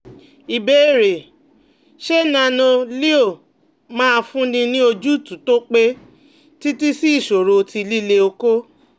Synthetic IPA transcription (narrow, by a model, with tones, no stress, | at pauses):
i˨be˨˦˨ɾe˨ | ʃe˦nã˧nõ˧li˦o˦˨ | mãː˦˧fũ˦nĩ˧nĩ˦o˧d͡ʒu˦˨tũ˨˦to˦k͡pe˦ | ti˦ti˦si˦i˦˨ʃo˨ɾo˧ti˧li˦le˧o˧ko˦